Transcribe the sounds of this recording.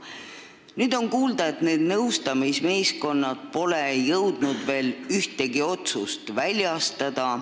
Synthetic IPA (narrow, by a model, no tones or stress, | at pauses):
nyːd̪o̞nkuːld̪̥ɑe̞t̪ne̞ːd̪̥nɤwst̪ɑmisme̞ːsko̞nːɑd̪̥̚po̞lejɤwd̪nud̪̥ve̞ːlyht̪e̞ɡio̞t̪sust̪vælʲjɑst̪ɑd̪̥ɑ